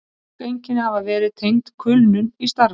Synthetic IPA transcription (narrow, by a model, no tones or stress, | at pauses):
kejɲcɪnhavavɛːɾɪðt̪ʰejŋt̪kʰʏlnʏnist̪aɾ